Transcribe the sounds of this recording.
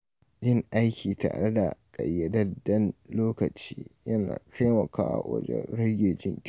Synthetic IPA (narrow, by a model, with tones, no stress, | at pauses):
d͡ʒɪ˦ŋʔa˦jkʲiː˨ta̰ː˨ɽe˦da˨kʼɐ˨jːɐ˨dɐ˦dɐ˦nloː˦kɐ˨t͡ʃiː˦jɐ˦na̰ː˨tʰa˦mɐ˨ka̰ː˦wa̰˨wɐ̰˦d͡ʒḛ˦ɽɐ˦ɡʲeː˨d͡ʒɪ˦ŋkʲ